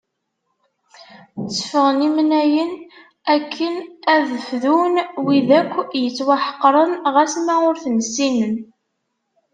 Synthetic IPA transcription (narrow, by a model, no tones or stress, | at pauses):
t͡sːəfəʁənimnæjən | ækʰːənæðəfðunwiðækʷːjət͡sːwaħə̥qːɾˤənʁæsmæʊɾθənsinən